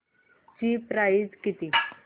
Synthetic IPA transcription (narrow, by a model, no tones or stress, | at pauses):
t͡ɕipɾaid͡zkit̪iː